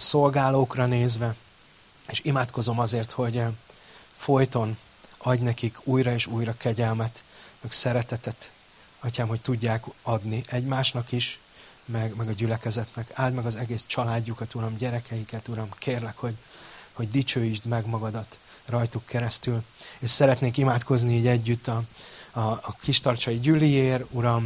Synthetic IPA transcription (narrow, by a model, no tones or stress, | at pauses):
so̞lɡaːloːkrɒneːzʋɛ | eːʃimaːt̪ko̞zo̞mɒzeːrt̪ho̞ɟ | fo̞jt̪o̞n | ɒɟnɛkikuːjɾɒeːʃuːjɾɒkɛɟɛlmɛt̪ | mɛksɛɾɛt̪ɛt̪ɛt̪ | ɒcaːmɦo̞c̚t̪uɟːaːkɒd̪niʔɛɟmaːʃnɒkiʃ | mɛɡmɛɡɒɟylɛkɛzɛt̪nɛkaːld̪mɛɡɒzɛɡeːst͡ʃɒlaːɟːukɒt̪uɾɒmɟɛɾɛkʰɛjikɛt̪uɾɒmkʰeːrlɛkho̞ɟ | ho̞ɟd̪it͡ʃøːjiʒd̪mɛɡmɒɡɒd̪ɒt̪ | rɒjt̪ukʰːɛɾɛst̪yleːʃsɛɾɛt̪neːŋkimaːt̪ko̞zniiːɟɛɟːyt̪ːɒː | kiʃt̪ɒrt͡ʃɒjiɟylːijeːruɾɒm